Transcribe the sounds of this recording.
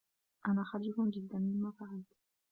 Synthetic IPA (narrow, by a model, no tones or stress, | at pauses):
ʔanaːxaɾfʊnd͡ʒɪd̪ːanmɪnmaːfaʕalt̪